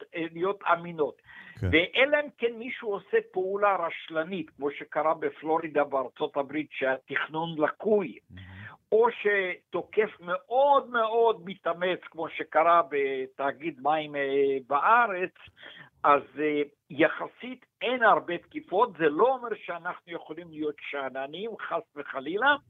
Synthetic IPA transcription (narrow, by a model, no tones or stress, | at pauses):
lijo̞t̪amino̞t̪veʔeleemkenmiʃuosepeulaɾaʃlanit̪kmo̞ʃekaʁabeflo̞ɾid̪abeaɾt͡so̞t̪abɾit̪ʃeat̪iχnunlakuj | o̞ʃet̪okefmeʔod̪meo̞d̪̚mit̪amet͡skmo̞ʃekaʁabet̪aɡid̪maimbaʔaʁet͡s | az | jaχasit̪ejnaʁbet̪kifo̞t̪zelo̞omeʁʃeanaχnujeχolimlijo̞t̪ʃananimχasveχalila